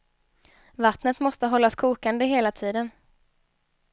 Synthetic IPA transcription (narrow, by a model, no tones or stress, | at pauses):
vat̪nət̪mɔst̪əɦɔlːaskʰuːkand̪əɦeːlat̪ʰiːd̪ən